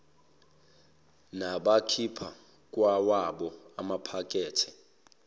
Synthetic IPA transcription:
naɓakʰipʰa | k̬ʼwawaɓɔamapʰak̬ʼɛːtʰɛ̥

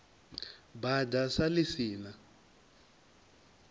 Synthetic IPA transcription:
badasalisiːna

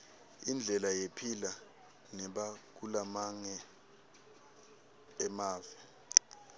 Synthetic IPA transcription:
ind͡ɮʱɛlajepʰila | nɛɓak̬ulamaŋɛ | maːvɛ

